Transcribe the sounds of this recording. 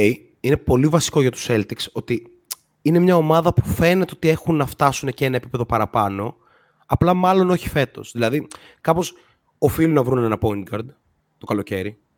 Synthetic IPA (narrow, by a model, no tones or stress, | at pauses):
i | ine̞po̞livɐsi̥ko̞ʝɐt̪u̥selt̪ikso̞t̪i | ine̞mɲɐo̞mɐðɐpu̥fe̞net̪eo̞t̪ie̞xunːɐft̪ɐsunece̞nɐepipe̞ðo̞pɐɾɐpɐno̞ | ɐplɐmɐlo̞noçi̥fe̞t̪o̞̰sðilɐði | kɐpo̞s | o̞filunɐvɾunenɐpo̞inɡɐɾd̪ | t̪okɐlo̞ce̞ɾi